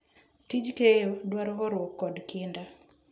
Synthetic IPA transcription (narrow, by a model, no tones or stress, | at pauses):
tid͡ʒkejodwaɾɔɦɔɾwɔkːɔdkʰɪnda